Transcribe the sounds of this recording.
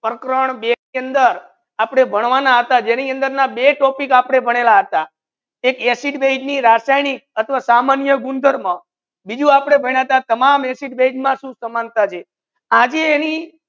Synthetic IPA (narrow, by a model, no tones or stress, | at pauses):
pɾəkɾəɳbeiənd̪əɾ | apɽ̃ebʱəɳ̃ʋanaɦət̪ad͡ʒeniənd̪əɾnabeʈɔpikapɽ̃ebʱəɽ̃elaɦət̪a | ekesiʈbed͡ʒniɾasajnik̚ət̪ʰʋasamanjəɡund̪ʱəɾmã | bid͡ʒũapɽ̃ebʱəɳ̃at̪ãt̪əmamesiʈbed͡ʒmãʃũsəmant̪at͡ʃʰe | ad͡ʒeːni